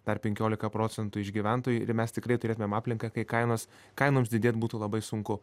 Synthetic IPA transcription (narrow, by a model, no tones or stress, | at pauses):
d̪̥ɐrpʲɛŋʲkʲoːlʲɪkɐpɾoːt͡s̪ʲɛnt̪ʊɪʒɡʲiʋʲænt̪oːjuːɪ̰ɾmʲɛst̪ʲɪkɾɐɪt̪ʊɾʲeːt̪ʊmʲeɛmɑːpʲlʲɪŋkɐkɐɪkɐɪnoːs | kɐɪnoːmsd̪ʲɪdʲeːt̪buːt̪uːlˠɐbɐɪsʊŋkʊ